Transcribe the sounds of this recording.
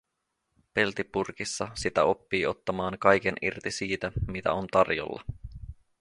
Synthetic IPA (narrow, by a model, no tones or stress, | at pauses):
pe̞lt̪ipurkisːɑsit̪æo̞pːiːo̞t̪ːɑmɑːŋkɑjk̟e̞nʔirt̪isiːt̪æmit̪æ̰o̞nt̪ɑrjo̰lːɑ̰